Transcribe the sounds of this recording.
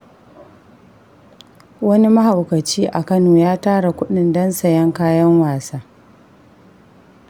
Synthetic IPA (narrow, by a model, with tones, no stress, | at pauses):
wɐ˦ni˦mɐ˦ha˨wkɐ˨t͡ʃiː˦ʔa˨kɐ˦noː˨jaː˦taː˦ɽa˨kʷʊ˦ɗɪ˨ndɐ˦nsɐ˨jɐ˦ŋkaː˦jɐ˦ŋwaː˨saː˦